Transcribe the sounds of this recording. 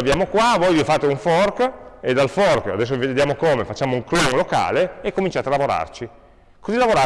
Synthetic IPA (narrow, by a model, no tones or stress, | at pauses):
avjaːmokwavɔjvifaːt̪euɱfɔrked̪alfɔrka̰d̪ɛs̬ːovived̪jaːmokoːmefat͡ʃːaːmouŋklɔŋloka̰ːleekːomint͡ʃaːt̪ealavoɾa̰rt͡ʃi | kozilavoɾa